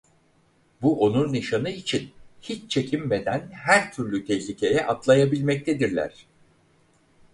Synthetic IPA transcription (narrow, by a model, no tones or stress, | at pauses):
buʔo̞nuɾniʃanɯit͡ʃʰinhit͡ʃt͡ʃʰe̞cʰimbed̪ænɦæɾt̪ʰyɾlʲyt̪ʰɛçlʲicʰe̞jɛʔat̪lˠajabilʲmɛc̚t̪ʰed̪iɾlʲæ̰ɾ̥